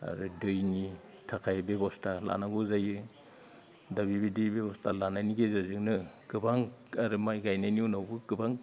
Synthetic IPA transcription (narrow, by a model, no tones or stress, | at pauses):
a̰ɾɯdɯjni | tʰakʰajbebɔstala̰naɡɔzajɯ | dabibidibebɔstʰalanajniɡezazɯŋnɯɡ̥ɯbaŋaɾɯmajɡajnajniunawbɯɡɯbaŋ